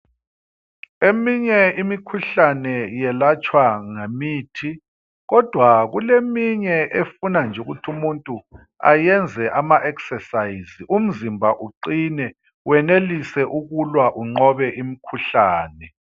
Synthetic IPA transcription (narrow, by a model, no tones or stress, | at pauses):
emiɲɛimikʰuɬanɛjɛlat͡ʃʼwaŋemiːtʰi | ɣɔd̥ʱwaɣulemiɲɛʔefunand͡ʒʱuɣutʰumuntʼu | a̰jɛnd͡zʱɛʔamaʔɛksɛsaizium̩zimbʱaʔuǃinɛ | wɛnelisɛʔuɣulwaʔuŋ͡ǃɔβɛʔimikʰuɬaːnɛ